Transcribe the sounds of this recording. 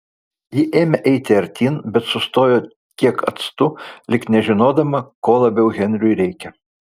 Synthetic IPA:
jɪʔeːmʲɛʔɛɪt̪ʲɪɐɾʲt̪ʲiːnbʲɛt̪sʊst̪oːjoː | kʲiɛkɐ̰t̪st̪ʊlʲɪknʲɛʒʲɪnoːd̪ɐmɐkoːlˠɐbʲɛʊɣʲɛnʲɾʲʊɪɾʲɛɪkʲɛ

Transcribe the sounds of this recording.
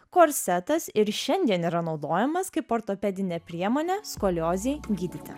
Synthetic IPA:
koːɾʲsʲɛt̪ɐsɪɾʃʲɛnʲd̪ʲiɛniːɾɐnɒʊd̪oːjɛmɐskɐɪpoːɾt̪oːpʲɛd̪ʲɪnʲɛpʲɾʲiɛmoːnʲɛskoːlʲoːzʲɛɪɡʲiːd̪ʲɪt̪ʲɪ̰

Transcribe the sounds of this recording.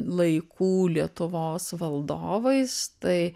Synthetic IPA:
lˠɐɪkʰuːlʲiɛt̪ʊʋoːsʋɐlˠd̪oːʋɐɪst̪ɐɪ

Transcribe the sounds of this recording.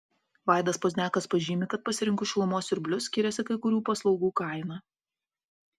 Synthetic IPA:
ʋɑˑɪd̪ɐspoːzʲnʲæːkɐspɐʒʲiːmʲɪkɐt̪̚pɐsʲɪɾʲɪŋˑkʊʃʲɪlˠʊmoːsɪɾʲbʲlʲʊsʲkʲɪɾʲɛsʲɪkɐɪkʊɾʲuːpɐslˠɒʊɡuːkɐˑɪnɐ

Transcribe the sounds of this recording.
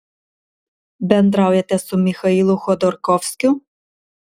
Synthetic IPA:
bɛnd̪ɾawjɛt̪ɛsumixɐilˠʊxɔd̪ɔɾkɔwskʲʊ

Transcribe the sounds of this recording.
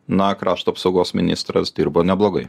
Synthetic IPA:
nɐkɾɑːʃt̪uːɐpsɒʊɡoːsmʲɪnʲɪst̪ɾɐsd̪ʲiɾboːnʲɛblˠoːɡɐɪ

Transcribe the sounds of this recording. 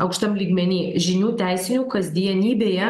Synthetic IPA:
ɐʊkʃʲt̪ɐmlʲiːɡmʲɛnʲiːʒʲɪnʲuːt̪ʲæɪsʲɪnʲuːkɐzʲd̪ʲijɛnʲiːbʲeːjɛ

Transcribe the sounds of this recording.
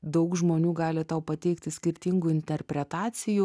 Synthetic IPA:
d̪ɐʊkʒmoːnʲuːɡɑːlʲɪt̪ɐʊpɐt̪ʲɛɪkt̪ʲɪsʲkʲɪɾʲt̪ʲɪŋɡuːɪnʲt̪ʲɛɾʲpʲɾʲɛt̪ɑːt̪sʲɪju

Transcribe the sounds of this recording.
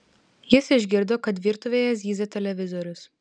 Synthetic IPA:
jɪsɪʒʲɡʲɪɾd̪oːkɐt̪ʋʲiːɾt̪ʊʋʲeːjɛzʲiːzʲɐt̪ʲɛlʲɛʋʲɪzɔɾʲʊs

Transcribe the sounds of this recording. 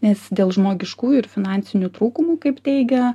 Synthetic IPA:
nʲɛsd̪ʲeːlˠʒmoːɡʲɪʃkuːɪɾfʲɪnɑnʲsʲɪnʲut̪ɾuːkʊmuːkɐɪpt̪ʲɛɪɡʲɛ

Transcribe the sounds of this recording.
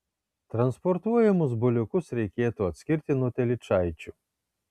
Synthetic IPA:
t̪ɾɐnspɔɾt̪uɔjɛmʊzbʊlʲʊkʊsɾʲɛjkʲeːɛt̪ʊɐt̪sʲkʲiɾʲt̪ʲɪnut̪ʲɛlʲɪt͡ʃajt͡ʃʲʊ

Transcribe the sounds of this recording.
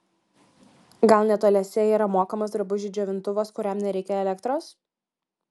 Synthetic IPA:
ɡɐlˠnʲɛt̪oːlʲɛsʲɛiːɾɐmoːkɐmosd̪ɾɐbʊʒʲid͡ʒʲoːʋʲɪnt̪ʊʋoːskʊɾʲɛmnʲɛɾʲɛɪkʲɛɛlʲɛkt̪ɾoːs

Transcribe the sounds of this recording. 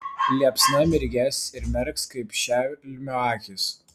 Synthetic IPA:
lʲiɛpsnɐmʲɪɾʲɡʲæsɪɾmʲɛɾkskɐɪpʃʲælʲmʲoɑːkʲɪs

